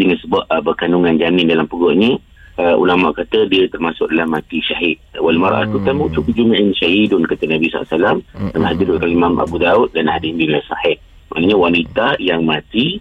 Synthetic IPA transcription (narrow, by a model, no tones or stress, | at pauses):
d͡ʒəŋansəbaʔ̚bərkanuŋand͡ʒanɪndalampuɡɔʔɲə | ʔṵlama̰ʔkat̪ədiət̪ərmasʊk̚dalahmat̪iʃaɦɪt̪̚walmaɾa̰ʔa̰t̪ut̪amuʔt͡ʃukuʔ̚d͡ʒumaʔɪnʃahidʊnkat̪ənabisa̰a̰salamamhad̪iɾʔkalimamʔa̰bud̪aut̪̚danaɦadimbilasa̰hɪʔ̚ | ma̰ʔnəɲawanit̪ajaŋmat̪i